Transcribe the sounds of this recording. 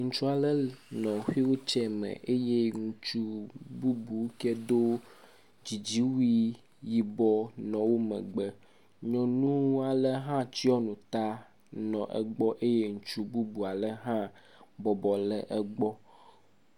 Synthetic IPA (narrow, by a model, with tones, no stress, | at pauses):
ŋũ˨t͡ʃu˦a˨lɛ˦nɔ̃˨ɸi˦wo˦t͡ʃɛ˦mɛ̰̃˨ʔe˦je˦ŋũ˨t͡ʃu˦bu˦bu˨wkɛ˦d̪o˦ | d͡ʑi˨d͡ʑi˦wi˦ | ji˨bɔ˦nɔ̃˨wo˦mɛ̰̃˨ɡ͡bɛ˨ | ɲɔ̃˨nũ˦a˨lɛ˦ɦã˦t͡ɕi˦ɔ˦nũ˨t̪a˦ | nɔ̃˨ʔɛ̰˨ɡ͡bɔ˦ʔe˦je˦ŋũ˨t͡ʃu˦bu˦bu˨a˨lɛ˦ɦã˦ | bɔ˨bɔ˨lɛ˦ʔɛ˦ɡ͡bɔ˦